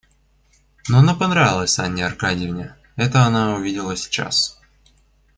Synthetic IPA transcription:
noɐnapɐnɾavʲɪlˠəsʲanʲːɪɐrkadʲɪɪvnʲɪ | ɛt̪əɐnaʊvʲidʲɪlˠəsʲɪ̥t͡ɕa̰s

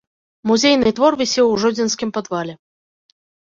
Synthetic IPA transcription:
muzʲejnɨt̪vɔrvʲisʲɛwʐɔd͡zʲinskʲimpɐd̪valʲɛ

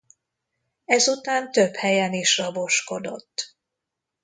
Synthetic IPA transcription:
ɛzut̪aːnt̪øphɛjɛniʃrɒbo̞ʃko̞d̪o̞̰t̪ː

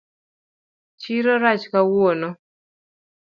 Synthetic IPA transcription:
t͡ʃiɾɔɾat͡ʃkawonɔ

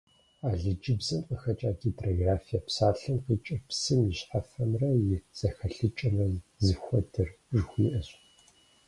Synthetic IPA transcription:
aːɮɨd͡ʒɪbzɐmqəxɐt͡ʃʼaːɡiːtʼroɡraːfijɐpsaːɬɨmqiːt͡ʃʼɪrpsɨmjɪɕħafɐmrɐjɪz̥ɐxɐɬɨt͡ʃʼɐmrɐzɨxʷɔdʰɨr | ʒxʷiːʔɐɕʼ

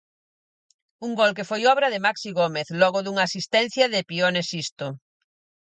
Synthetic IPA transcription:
uŋɡolk̬efojɔβɾɐðɪmaksiɣomeθlɔɣʊðuŋaːsist̪ɛn̟θjɐðɪpionesist̪o

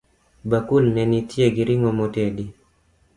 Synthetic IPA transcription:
bakulnɛnitjeɡiɾiŋɔmɔtedi

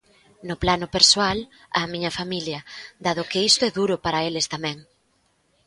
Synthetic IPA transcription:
nʊplanʊpeɾsoal | amiɲɐfamiljɐd̪aðʊkɪist̪ʊɛðuɾʊpaɾɐelest̪amɛ̃ŋ

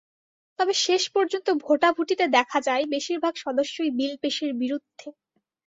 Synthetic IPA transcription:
t̪ɔbeʃeʃpɔɾd͡ʑont̪obʱoʈabʱuʈit̪ed̪ɛkʰad͡ʑaebeʃiɾbʱaɡʃɔd̪oʃːojbilpeʃeɾbiɾud̪ʱːe

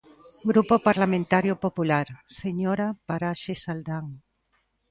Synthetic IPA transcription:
ɡɾupopaɾlamẽnt̪aɾjopopulaɾseɲoɾapaɾaʃesald̪aŋ

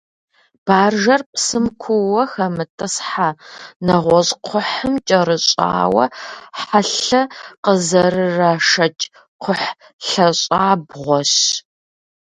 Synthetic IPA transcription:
b̥aːrʒɐrpʼsɨmkʷʰʊwɐxɐmɨtʰʼɐsħanɐʁʷɔɕʼqʷʰʊħəmt͡ʃʼɐɾɨɕʼa̰ːwɐ̰ħaɬɐqəzɐrɨraːʂɐt͡ʃʼ | qʰʷʊħ | ɬɐɕʼaːbʁʷɔɕ

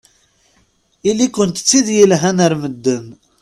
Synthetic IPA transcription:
ilikːənt̪ə̥t͡sːiðjəlɦænəɾməd̪ːən

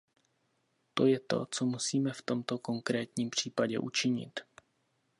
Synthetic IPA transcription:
t̪o̞jɛt̪o̞̰t͡so̞musiːmɛft̪o̞mt̪o̞ko̞ŋkɾɛːt̪ɲiːmpr̝̥iːpaɟɛ̰ʔṵt͡ʃɪɲɪ̰t̪

